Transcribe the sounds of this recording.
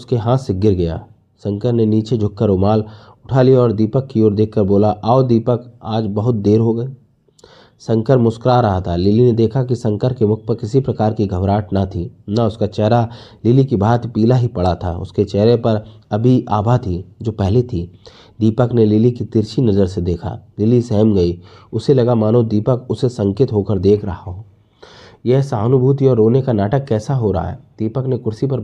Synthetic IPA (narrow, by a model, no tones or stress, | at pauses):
ʊskeɦãːt̪seɡɪɾɡɐja̰ː | sɐ̃ŋkəɾneniːt͡ʃed͡ʒʱʊkːəɾʊmaːl | ʊʈʰaːliɔːɾd̪iːpəkːioːɾd̪eːkʰkəɾboːlaʔaːod̪iːpəkaːd͡ʒbɐɦʊt̪̚d̪eːɾɦoɡɐi | sɐ̃ŋkəɾmʊskɾaɾɐɦat̪ʰalɪlined̪eːkʰak̬isɐ̃ŋkəɾkemʊkʰpəkɪsipɾɐkaːɾkiɡʱəʋɾaːʈnat̪ʰiːnaʊskat͡ʃɛɦɾa | lɪlikibʱaːt̪piːlaɦipɐɽat̪ʰa̰ʊ̰sket͡ʃɛːɾepɐɾɐbʱiʔa̰ːbʱat̪ʰid͡ʒoːpɛɦlet̪ʰi | d̪iːpəknelɪlikit̪ɪɾʃinɐzəɾsed̪eːkʰa̰lɪlisɛɦmɡɐiʊselɐɡamaːnod̪iːpəkʊsesɐ̃ŋkɪt̪ɦokəɾd̪eːkʰɾɐɦaɦoː | jɛɦsaːnʊbʱuːt̪iɔːɾːoːnekanaːʈəkːɛːsaɦoɾa̰ɦa̰ɦːd̪̥iːpəknekʊɾsipɐɾ